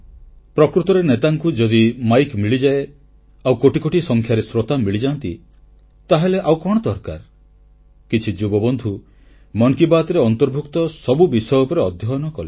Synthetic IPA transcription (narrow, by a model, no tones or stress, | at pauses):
pɾɔkɾut̪ɔɾenet̪aŋkud͡ʒɔd̪imajkmiɭid͡ʒae | awkoʈikoʈisɔŋkʰjaɾesɾot̪amiɭid͡ʒant̪ḭ | t̪aɦeleʔawkɔɽ̃ɔd̪ɔɾka̰ɾ | kit͡ʃʰid͡ʒubɔbɔnd̪ʱu | mɔŋkibat̪ɾeɔnt̪ɔɾbʱukt̪ɔsɔbubisɔjɔupɔɾeɔd̪ʱjɔjnɔkɔle